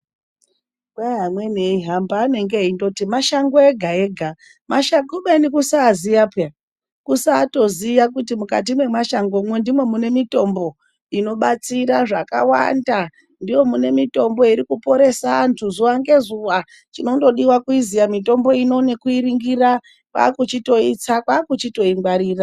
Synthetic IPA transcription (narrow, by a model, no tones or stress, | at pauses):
kaɦamwe̞neiɦambaːne̞ŋɡeɦindo̞timaʃaŋɡoeɡʱaeɡʱa | maʃaɡoɓanikusaːziapa | kusaːto̞zijakutimukat̬imwe̞maʃaŋɡo̞mwe̞ndimwe̞mune̞mito̞mbo̞ | ino̞ɓat͡siɾaʐaka̰wa̰nda | ndijo̞mune̞mito̞mbo̞iɾikupo̞ɾe̞saːntʰuzuʋaŋɡe̞zuʋa | t͡ʃino̞ndo̞ɗiwakuizijamito̞mbo̞ino̞nekuiɾiŋɡira | kwa̰ːkut͡ʃito̞it͡sakwaːkut͡ʃito̞iŋɡwaɾiːra